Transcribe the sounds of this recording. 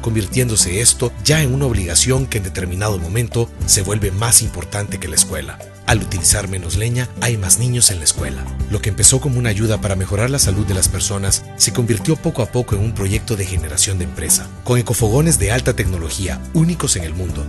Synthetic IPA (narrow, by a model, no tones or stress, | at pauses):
ko̞mbiɾt̪je̞nd̪o̞se̞est̪o̞ʝaeŋunao̞βliɣasjo̞ŋkeːnd̪e̞t̪e̞ɾmĩnað̞o̞mõ̞mẽ̞nt̪o̞se̞βwe̞lβe̞masimpo̞ɾt̪ant̪e̞ke̞laeskwe̞̰la̰ | alut̪ilisaɾmẽ̞no̞zle̞ɲaajmaznĩɲo̞se̞nlaeskwe̞̰la̰lo̞keːmpe̞so̞ko̞mounaːʝuðapaɾame̞xo̞ɾaɾlasaluðːe̞laspe̞ɾso̞nasːe̞ko̞mbiɾt̪jo̞po̞koapo̞koe̞ŋumpɾo̞ʝe̞k̚t̪o̞ðe̞xe̞ne̞ɾasjo̞nd̪empɾe̞sa | ko̞ŋeko̞fo̞ɣo̞ne̞zðe̞alt̪at̪e̞kno̞lo̞xia̰uniko̞se̞ŋe̞lmũnd̪o̞